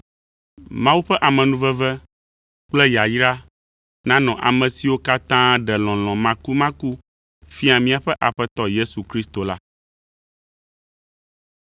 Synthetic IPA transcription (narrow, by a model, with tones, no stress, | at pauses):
mã˦wu˦ɸɛ˦ʔa˨mɛ̃˨nũ˦vɛ˦vɛ˦ | k͡plɛ˦ja˨ji˦ɖa˦ | nã˦nɔ̃˨ʔa̰˨mɛ̃˨si˨wo˦ka˦t̪ã˦ɖɛ˨lɔ̃˨lɔ̃˨mã˨ku˦mã˦ku˦ | fi˦a˨mĩ˦a˨ɸɛ˦ʔa˨ɸɛ˦t̪ɔ˦je˦su˨kɾi˦st̪o˨la˦